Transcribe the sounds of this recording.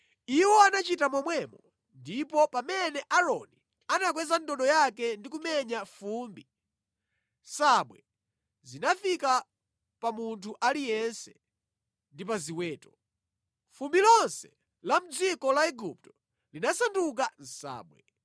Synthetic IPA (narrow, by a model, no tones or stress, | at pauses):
iwɔanat͡ʃitamɔmwɛmɔ | ndipɔpamɛnɛʔaɾɔni | anak̬wɛzandɔɗɔjakɛndikumɛɲafuːmbi | saɓwɛ | zinafika | pamuntʰuʔalijɛnsɛ | ndipaziwɛːtɔ | fumbilɔnsɛ̥ | lam̩d͡zikɔlaɛɡup̚tɔ̥ | linasanduk̬an̩sa̰ːɓwɛ̰